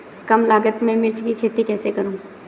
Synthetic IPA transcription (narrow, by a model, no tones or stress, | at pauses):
kɐmlaːɡət̪mɛ̃mɪɾt͡ʃkikʰeːt̪ikɛːsekɐɾũː